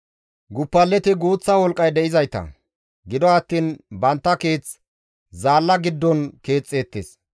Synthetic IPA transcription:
ɡʊpːɐlːɛt̪ɪɡuːt͡sːɐwɔlkʼɐjd̪ɛʔɪzɐjt̪ɐ̰ | ɡɪd̪ɔɐt̪ːiːnbɐnt̪ːɐke̞ːt͡s | zaːlːɐɡɪd̪ːɔnke̞ːt͡sʼːe̞ːt̪ːes

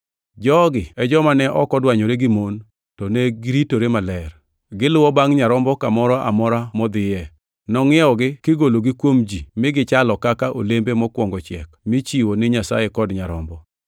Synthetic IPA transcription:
d͡ʒɔɡɪɛd͡ʒɔmanɛʔɔkɔdwaɲoɾeɡɪmon | tɔneɡɪɾitoɾemalɛr | ɡɪlʊwɔbaŋɲaɾɔmbɔkamɔɾɔʔa̰mɔɾamɔd̪ɪjɛ | nɔŋɪɔɡɪkɪɡoloɡɪkwomd͡ʒimɪɡɪt͡ʃalɔkakaʔo̰lembemɔkwɔŋɡɔt͡ʃɛ̰kmɪt͡ʃiwonɪɲasa̰jekɔdɲaɾɔmbɔ

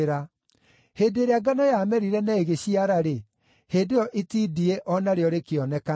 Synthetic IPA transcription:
ɾa | heːdeɾeaɡanɔjamɛɾiɾɛnaeɣeɕiaɾaɾe | heːndejɔʔetidiɛʔɔnaɾeɔɾekeɔnɛka

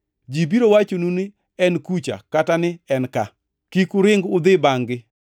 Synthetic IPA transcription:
d͡ʒibiɾowat͡ʃonunɪ | ɛnkut͡ʃa̰katanɪɛnka | kikʊɾɪŋɡʊd̪ɪbaŋɡɪ

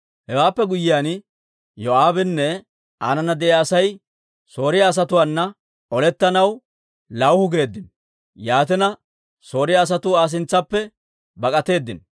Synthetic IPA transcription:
hɛwaːpːɛɡʊjɪjaːn | jɔaːbɪnːɛ | aːnɐnɐd̪ɛjaːsɐj | so̞ːɾɪjaːs̬ɐt̪ʊwanːɐ | ɔlɛt̪ːɐnɐw | lɐwhʊɡe̞ːd̪ːɪn | jaːt̪̬ɪnɐ | so̞ːɾɪjaːs̬ɐt̪ʊaːs̬ɪnt͡sːɐpːɛ | bɐkʼɐt̪e̞ːd̪ːɪn

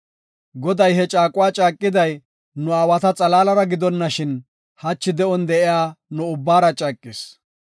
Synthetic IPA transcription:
ɡɔd̪ɐjɦɛt͡ʃʼaːkʼʊwaːt͡ʃʼaːkʼːɪd̪ɐj | nʊaːwɐt̪ɐt͡sʼɐlaːlɐɾɐɡɪd̪ɔnːɐʃɪn | hɐt͡ʃːɪd̪ɛɔnd̪ɛʔɪjaːnʊʊbːaːɾɐt͡ʃʼaːkʼːɪs

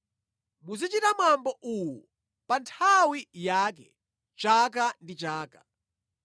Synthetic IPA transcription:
muzit͡ʃitamambɔʔuwu | pantʰawijak̬ɛ̰ | t͡ʃakandit͡ʃaːkḁ

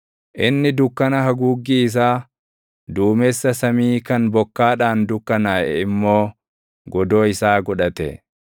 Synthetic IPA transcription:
ʔɪnːɪd̪ʊkːɐnɐɦɐɡuːɡːiːɪs̬aː | d̪uːmeːsːɐsɐmiːkɐnbɔkːaːᶑaːnd̪ʊkːɐnaːɛ̰ɪmːo̞ː | ɡɔd̪o̞ːɪsaːɡɔᶑɐt̪ɛ̰

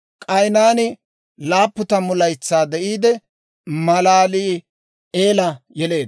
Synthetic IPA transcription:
kʼɐjnaːnɪ | laːpːʊt̪ɐmʊlɐjt͡sːaːd̪ɛʔiːd̪ɛ | mɐlaːliː | eːlɐjɛle̞ːd̪

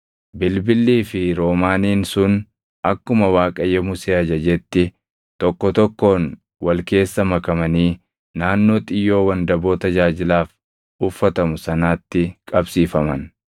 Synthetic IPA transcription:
bɪlbɪlːiːfɪɾo̞ːmaːniːnsʊn | ʔɐkːʊmɐwaːkʼɐjːɛmʊseːɐd͡ʒɐd͡ʒɛt̪ːɪ | t̪ɔkːɔt̪ɔkːo̞ːn | wɐlke̞ːsːɐmɐkɐmɐniː | naːnːo̞ːt̪ʼɪjːo̞ːwɐnd̪ɐbo̞ːt̪ɐd͡ʒaːd͡ʒɪlaːf | ʊfːɐt̪ɐmʊsɐnaːt̪ːɪkʼɐbsiːfɐmɐ̰n

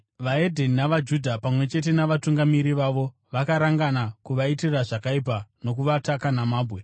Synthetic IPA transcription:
ʋae̞dʱe̞ninaʋad͡ʒudʱapamwe̞t͡ʃe̞t̬e̞naʋatuŋɡamiɾiʋaʋo̞ | ʋakaɾaŋɡanakuʋaitiraʐakaip̬ano̞kuʋatakanamaːbwe̞

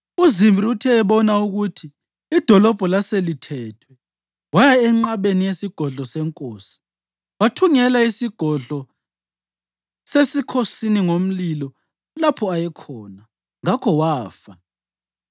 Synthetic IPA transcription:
uzimbʱiutʰɛːβɔnauɣutʰiː | d̥ʱɔlɔb̥ʱɔlaselitʰɛːtʰwɛ | wajaɛŋ͡ǁaβenijesiɡ̥ʱɔɮɔsɛŋkʼoːsi̥ | watʰuŋɛlaisiɡ̥ʱɔɮɔ | sesikʰosiniŋom̩lilɔ | lapʰɔajɛkʰɔːna | ŋakʰɔwaːfa

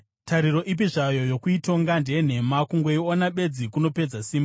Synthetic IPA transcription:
tʰaɾiro̞ʔip̬iʐajo̞jo̞kuito̞ŋɡandeen̤e̞makuŋɡe̞ionaɓe̞d͡zikuno̞pe̞d͡zasiːmba

